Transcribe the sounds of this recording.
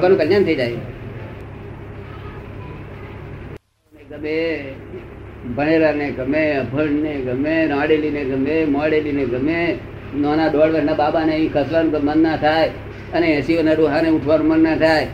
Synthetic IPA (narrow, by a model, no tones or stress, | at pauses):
kanũkəljant̪ʰəid͡ʒaje | meɡəme | bənelaneɡəmeəbʱəɳneɡəmeɾãːɽelineɡəmemaɽelineɡəme | noːnaɗɔːɽʋəɾnababaneĩkʰəslanũkəmənːat̪ʰaj | əneesionaɾoɦaneʊʈʰʋaɾũmənnat̪ʰaj